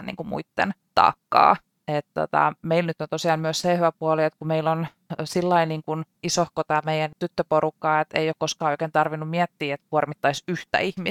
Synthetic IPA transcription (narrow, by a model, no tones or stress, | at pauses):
nḭŋkumṵit̪ːḛnt̪ɑ̰ːkːɑ̰ː | et̪t̪o̰t̪ɑ̰meilnyt̪ːont̪osiɑːmmyøssehʋæpuoliet̪kumeilːon | silːɑiniːŋkun | isohkot̪ɑːmeijænt̪yt̪ːøporukːɑːet̪ḛijokkoskɑːoikeːnt̪ɑrʋinːummiɛt̪ːiːet̪k̚uormit̪ːɑisyht̪æ̰ihmi